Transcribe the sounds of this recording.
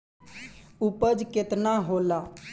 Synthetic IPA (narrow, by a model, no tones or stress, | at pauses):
ʊpəd͡ʒkɪt̪naːɦoːlaː